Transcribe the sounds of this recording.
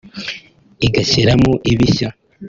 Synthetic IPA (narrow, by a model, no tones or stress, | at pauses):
iɡaçiɾamoʔiβiça